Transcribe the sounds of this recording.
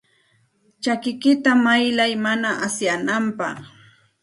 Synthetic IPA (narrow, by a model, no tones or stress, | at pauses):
t͡ʃakɪkɪt̪amajlajmanaʔasjanampɑ̰χ